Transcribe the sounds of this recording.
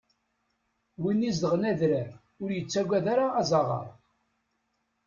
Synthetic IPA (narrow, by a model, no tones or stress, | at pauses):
winːizd̪əʁnæðɾæ | ʊɾjət͡sːæɡʷæðaɾaːzˤɑʁɑ̰ɾˤ